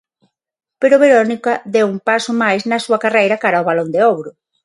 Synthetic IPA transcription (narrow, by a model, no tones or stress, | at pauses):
peɾʊβeɾonikɐðewumpasʊmajsnɐsuɐkarejɾɐkaɾaoβalond̪eoβɾʊ